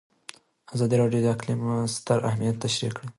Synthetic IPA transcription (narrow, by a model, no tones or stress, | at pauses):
azɑd̪iɾɑɖjod̪əaqlimst̪aɾʔahmijat̪ːaʃɾḭkːɽə